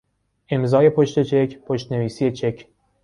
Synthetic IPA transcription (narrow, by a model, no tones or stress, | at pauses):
ʔe̞mzɒːje̞pʰoʃt̪e̞t͡ʃʰekʰpʰoʃt̪neviːsije̞t͡ʃʰe̞cʰ